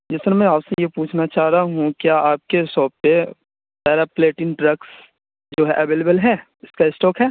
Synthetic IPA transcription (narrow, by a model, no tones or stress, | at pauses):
d͡ʒɪst̪ɾamɛ̃aːpsejepuːt͡ʃʰnat͡ʃaːɾaɦũkjaːʔaːp̚kesɔːp̚te | tɛːɾapleːʈɪ̃nʈɾɐks | d͡ʒoːɦɛʔɐʋeːlebəlɦɛː | ɪskaɪsʈɔːkɦɛː